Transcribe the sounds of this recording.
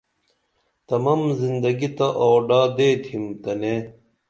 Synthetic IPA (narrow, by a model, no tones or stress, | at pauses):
t̪ɐmɐmzind̪ɐɡit̪ɐʔoːɖaːd̪eːt̪ʰimt̪ɐneː